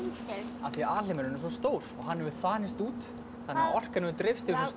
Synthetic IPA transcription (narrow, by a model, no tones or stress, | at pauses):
aθiaːlɪmɛɾnɛs̬ɔst̪oːwɾɔɣɦanːhɛvʏθaːnɪst̪uːt̪ | θanɛvɔr̥kanɛʏt̪ɾɪfst̪ɪvɪs̬ɔs